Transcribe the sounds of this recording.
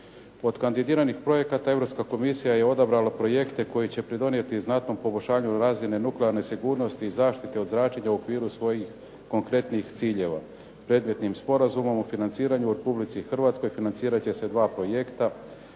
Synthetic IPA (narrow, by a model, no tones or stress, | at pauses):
o̞d̪kand̪id̪iːɾanixpɾo̞je̞kat̪ae̞vɾo̞pskako̞misijaje̞o̞d̪abɾalapɾo̞je̞kt̪e̞ko̞jit͡ɕe̞pɾid̪o̞nije̞t̪iznat̪no̞mpo̞bo̞ʃaːɲuɾaːzmine̞nukleaɾne̞siɡuːɾno̞st̪iːzaːʃt̪it̪e̞o̞d̪zɾaːt͡ʃeɲauokʋiːɾusʋo̞jix | ko̞ŋkɾe̞t̪nixt̪siːʎe̞ʋa̰ | pɾe̞ːd̪me̞t̪nimspo̞ɾazumo̞mufinant̪siːɾaɲuuɾe̞publit̪sixr̩ʋat̪sko̞jfinant̪siːɾat͡ɕe̞se̞d̪ʋaːpɾo̞je̞kt̪a